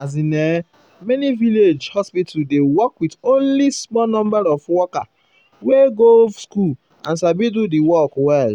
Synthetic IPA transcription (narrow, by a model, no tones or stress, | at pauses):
azine | mɛniviled͡ʒhɔspitadewɔkwidõnlismɔnɔ̃mbaɾɔfwɔka | weɡovskul | ã̰nsabidudiwɔkwɛl